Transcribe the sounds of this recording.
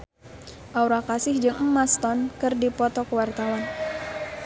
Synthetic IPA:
ʔauɾakasɪhd͡ʒɨŋəmast̪ɔnkɨrdipɔt̪ɔkəwart̪awan

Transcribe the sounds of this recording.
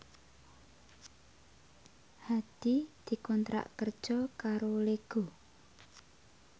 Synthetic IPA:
had̪̥id̪̥i̤kɔnt̪ɾa̰ʔkərd̥ʒ̥ɔkaɾoleɡ̥o̤

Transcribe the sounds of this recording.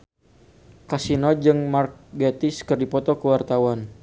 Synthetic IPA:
kasinɔd͡ʒɨŋmark̚ɡet̪iskərdipɔt̪ɔkəwart̪awan

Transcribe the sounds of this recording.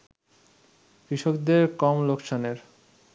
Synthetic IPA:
kɾiʃokd̪eɾkɔmlokʃʰoneɾ

